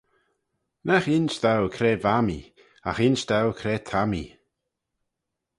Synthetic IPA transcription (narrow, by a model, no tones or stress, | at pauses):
nɛxɪnst̪awkʰɾeːvamḭ | axɪnʃt̪awkʰɾeːt̪ʰamḭ